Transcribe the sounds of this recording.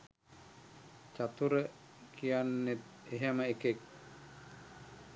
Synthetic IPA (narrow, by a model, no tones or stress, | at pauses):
t͡ʃat̪uɾə | kʰijanːet̪̚ | eɦaməekek̚